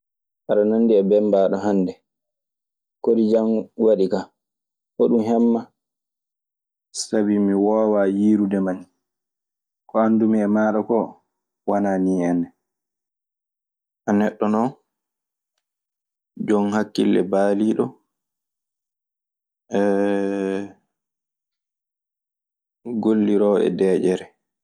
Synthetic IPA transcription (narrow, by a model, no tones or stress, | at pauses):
ʔaɗananːdiɛbɛmbaːɗɔɦandɛ | kodid͡ʒamwaɗika | ʔɔɗumɦɛmːa | sabimiwɔwaːjiːɾudɛman | kɔandumiɛmaːɗɔkɔ | wananiːɛnɛ | ʔanɛɗːɔnɔ | d͡ʒɔnhakːilːɛ̰baːliɗɔ | ʔɛ | ɡolːiɾɔɛ̰dɛːd͡ʒɛɾɛ